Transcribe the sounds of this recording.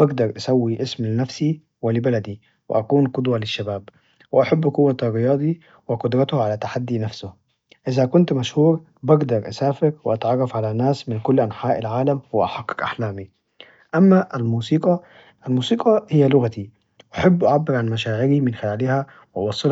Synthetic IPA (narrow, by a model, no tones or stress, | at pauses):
bɪɡd̪ɑɾˤʔasawːiʔɪsmlnːafsi | wɪlɪbalad̪i | wɪ̰ʔakuːnqʊd̪walɪʃːabaːb | wɪʔaħabːqʊwːat̪rːɪjɑːd̪ˤi | wɪqʊd̪ɾˤɑt̪ʊhʕalat̪aħad̪ːinafsʊ | ʔɪzakʊnt̪maʃhuːɾ | bɪɡd̪ɑɾˤʔasaːfɪɾwɪʔat̪ʕɑrˤːɑfʕalanːaːsmɪnkʊlːʔanħaːʔalʕaːlamwɪʔaħɑqːɑ̥kʔaħlaːmi | ʔamːaʔalmuːsiːqɑ | ʔalmuːsiːqɑhɪjːalʊɣat̪i | wʔaħabːʔaʕabːɪɾʕanmaʃaːʕɪɾimɪnxɪlaːlɪhæ | wɪʔɑwɑsˤːɪl